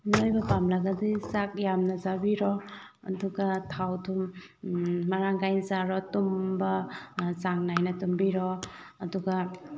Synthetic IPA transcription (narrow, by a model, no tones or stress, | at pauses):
nojbɐpamlaɡɐdisak̚jamnɐzabiɾɔ | ɐ̰duɡatʰawtʰumː | aɾaŋɡajnzaɾɔtumbɐsaŋnajnɐtumbiɾɔ | ɐduɡa